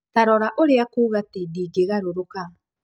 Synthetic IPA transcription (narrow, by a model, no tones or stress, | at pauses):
taɾɔɾaʔoɾeakuːβatidiɡeɣaɾoɾoka